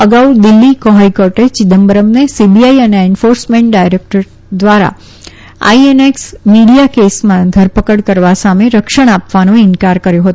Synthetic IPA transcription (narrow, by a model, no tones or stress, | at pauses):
əɡawd̪ɪlːikoɦajkoɾʈet͡ʃɪd̪əmbəɾəmnesibiaiəneenfoɾsmẽɳʈ̚ɖajɾek̚ʈəɾ | d̪ʋaɾa̰ | a̰ieneksmiɽijakesmãd̪ʱəɾpəkəɽkəɾʋasameɾəkʃəɽ̃apʋanõɪnkaɾkəɾjõɦət̪